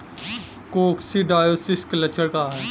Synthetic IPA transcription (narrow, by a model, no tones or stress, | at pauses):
koːksiɖaːjoːsɪsklɐt͡ʃʰəɽkaɦɛː